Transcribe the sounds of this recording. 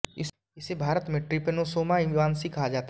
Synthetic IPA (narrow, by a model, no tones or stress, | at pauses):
ɪ | ɪsebʱaːɾət̪mẽʈɾɪpənosoːmaɪ̃ʋaːnsikʰaɦad͡ʒaːt̪a